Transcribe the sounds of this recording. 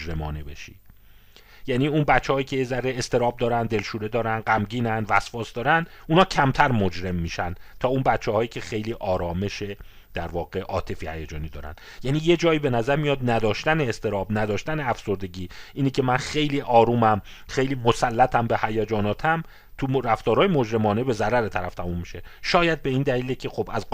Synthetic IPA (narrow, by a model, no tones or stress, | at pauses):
d͡ʒɾe̞mɒ̰ːnebḛʃḭː | jæniːunbæt̪t͡ʃːehɒːjiːcʰe̞jezæɾeest̪e̞ɾɒːb̚d̪ɒːɾænd̪e̞lʃuːɾe̞d̪ɒːɾænɢæmɟiːnænvæsfɒːsd̪ɒːɾænd̪uːnhɒːcʰæmt̪ʰæɾmod͡ʒɾe̞mːiːʃænd̪t̪ʰɒːunbæt̪t͡ʃʰːɛhɒːjiːcʰe̞xe̞jliːʔɒːɾɒːme̞ʃe | d̪̥æɾvɒːɣe̞ʔɒːt̪ʰe̞fihæjæd͡ʒɒːniːd̪ɒ̰ːɾæ̰nd̥̪ | jæniːje̞d͡ʒɒːiːbe̞næzæɾmijɒːd̪̚næd̪ɒːʃt̪æneːst̪e̞ɾɒːbnæd̪ɒːʃt̪æneæfso̞ɾd̪e̞ɟiːʔiːniːcʰe̞mænxe̞jliːʔɒːɾuːmæm | xe̞jliːmo̞sælːæt̪ʰæmbe̞hæjæd͡ʒɒːnɒːt̪ʰæm | t̪ʰuɾæft̪ɒːɾhɒːjemo̞d͡ʒɾe̞mɒːne̞be̞zæɾæɾet̪ʰæɾæft̪ʰæmumːiʃe̞ʃɒːjæd̪̚be̞iːnd̪æliːlecʲʰe̞xo̞bæz